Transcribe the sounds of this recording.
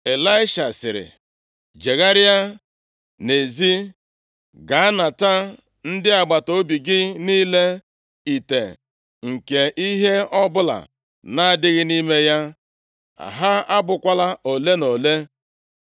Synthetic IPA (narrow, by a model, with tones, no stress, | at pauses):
e˨la˦ɪ˦ʃa˨sɪ̰˨ɾɪ̰˨ | d͡ʒe˨ɣa˦ɾja˦ | ne˨zi˦ | ɡa˨˦na˨ta˦ | n̩˦dɪ˦a˨ɡ͡ba˨to˦bi˨ɡɪ˦niː˦le˦ | i˨te˨ | ŋ̩˨ke˨ʔi˦ɦe˦ɔ˦bʊ˦la̰˨ | na˦˨dɪ˦ɣɪ˦ni˦me˦ja˦ | a̰˨ɦa˦a˦bʊ˨kʷa˦la˦o˨le˦no˨le˦